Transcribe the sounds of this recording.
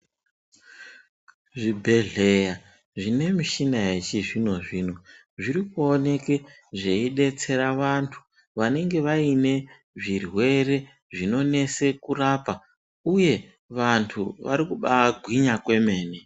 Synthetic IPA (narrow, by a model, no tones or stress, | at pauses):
ʐibʱe̞ɮe̞ja | ʐine̞miʃinajet͡ʃiʐino̞ʐino | ʐiɾikuone̞ke | ʐe̞iɗe̞t͡se̞ɾaʋantʰu̥ | ʋane̞ŋɡe̞ʋaine̞ | ʐirwe̞re̞ | ʐino̞ne̞se̞kuraːpa | uje̞ | ʋantʰuʋaɾikuɓaɡʱwiɲakwe̞me̞ːne